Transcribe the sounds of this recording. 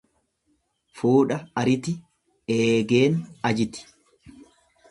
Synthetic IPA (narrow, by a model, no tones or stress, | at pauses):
fuːᶑɐɐɾɪt̪ɪ | eːɡe̞ːnɐd͡ʒɪt̪ɪ̥